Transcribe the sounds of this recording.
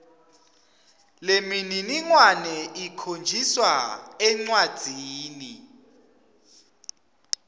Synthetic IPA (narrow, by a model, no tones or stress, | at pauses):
lemininiŋwanɛʔikʰond͡ʒʱiswaɛŋ͡ǀwad̥ʱiːni